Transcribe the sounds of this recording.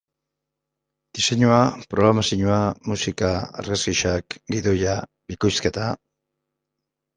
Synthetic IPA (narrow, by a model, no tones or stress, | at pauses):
d̪̥ise̞ɲuapɾo̞ɣɾamasiɲuamusikaa̰ɾɣazɣiʃakɡiðo̞ja | bikojske̞t̪a